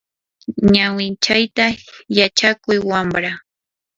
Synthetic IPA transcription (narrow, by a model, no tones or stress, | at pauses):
ɲawɪnt͡ʃajt̪ajat͡ʃakʊjwambɾa